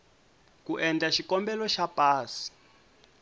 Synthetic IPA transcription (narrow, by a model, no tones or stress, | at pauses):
kuʔɛnd͡ɮaʃikɔmbɛlɔʃapʼaːsi̥